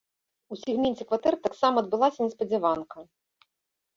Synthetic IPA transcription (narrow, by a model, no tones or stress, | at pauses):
usʲiɣmʲenʲt͡sʲɛkvat̪ɛrt̪aksamɐːd̪̚bɨlˠasʲɐnʲɛspɐd͡zʲɛvankɐ